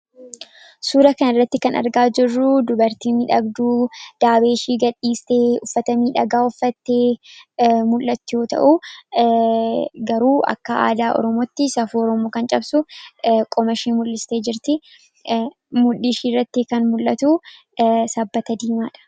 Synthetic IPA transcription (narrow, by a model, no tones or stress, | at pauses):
suːɾɐkɐnɐrːɐt̪ːɪkɐnɐ̰ɾɡaːd͡ʒɪrːʊd̪ʊbɐɾt̪iːniᶑɐɡd̪uːd̪̥aːbeːʃiːɡɐᶑːiːst̪e̞ːʊfːɐt̪ɐmiːᶑɐɡaːʊfːɐt̪ːe̞ː | mʊlːɐt̪ːɪjo̞ːt̪ɐ̰ʔuː | ɡɐɾuːɐ̰kːɐa̰ːd̪aːʔɔ̰ɾɔmoːt̪ːɪsɐfuːɔɾɔmoːkɐnt͡ʃʼɐbsʊkʼɔmɐʃiːmʊlːɪst̪eːd͡ʒɪɾt̪ɪ | mʊlɪʃiːrːɐt̪ːɪkɐnmʊlːɐt̪uː | sɐbːɐt̪ɐd̪iːmaːᶑɐ̥